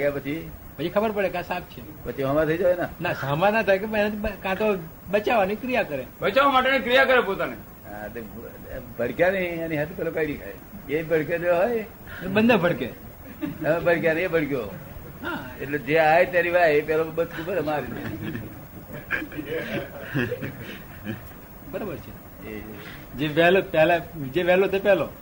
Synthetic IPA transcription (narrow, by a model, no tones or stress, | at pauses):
aɡjapət͡ʃʰi | bəd͡ʒikʰəbəɾpəɽekãsab̚t͡ʃʰepət͡ʃʰiɦəmãt̪ʰəid͡ʒaʋenanasamanːat̪ʰajkepənat̪ʰikãt̪o | bət͡ʃaʋanikɾijakəɾebət͡ʃaʋamaʈenekɾijakəɾepot̪ane | ɦa̰t̪e | bʱəɽkjanəianiɦat̪ʰepɛlokaiɾikʰa̰j | ebʱəɽk̬ed͡ʒeɦoj | ebənd̪abʱəɽke | əbʱəɽkjaneebʱəɽkjo | ɦãḛʈled͡ʒeaet̪jaɾiʋaɦeepɛlobət̪kʰubəɾmaɾinḛ | bəɾabəɾt͡ʃʰe | e | d͡ʒeʋɛɦlopɛɦlad͡ʒeʋɛlot̪epɛɦlo